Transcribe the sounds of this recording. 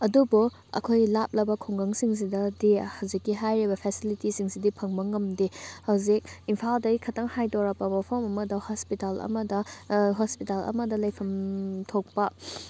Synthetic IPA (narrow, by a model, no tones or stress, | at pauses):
ɐdubu | ɐ̰kʰojlap̚lɐbɐkʰoŋɡɐŋsiŋs̬idɐdihɐwzikːiɦajɾibɐpʰesilitisiŋsidipʰɐŋmɐŋɐmdihɐwzik̚impʰaldɐɡikʰɐtɐŋhajdoɾɐk̚pːɐbɐpʰomɐmɐdɐhospitalɐ̰mɐdɐɦospitalɐ̰mɐdɐlɐjpʰɐmtʰok̚pɐ